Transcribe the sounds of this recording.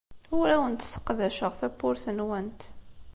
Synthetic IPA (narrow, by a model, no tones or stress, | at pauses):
ʊɾæwənt̪ə̥sə̥qːðæʃəʁθæpːʊɾθənwænt̪